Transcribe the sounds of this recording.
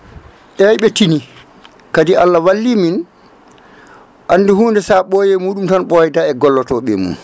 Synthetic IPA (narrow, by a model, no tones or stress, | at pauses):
ʔɛjɓɛtini | kadiʔalːawalːimin | ʔanːdihuːndɛsaɓɔjɛmuːɗumtanɓɔjdaɛɡɔlːɔtɔɓɛ̰mṵn